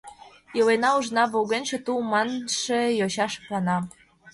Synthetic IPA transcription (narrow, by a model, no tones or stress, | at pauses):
jewenɑuʒnɑβoɣenʲʃĕt̪umɑnʃĕjoɕɑʃplɑnɑ